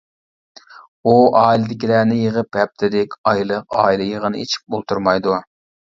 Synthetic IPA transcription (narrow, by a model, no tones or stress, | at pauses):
uɑːilˠɨd̪ɪkʲilæːnɪjəʁəpɛp̚t̪ʰɪd̪ɪkʲɑjlˠəqɑːilˠɨjəʁənɨit͡ʃʰi̥p̚bolˠt̪ʰuɾmɑjd̪u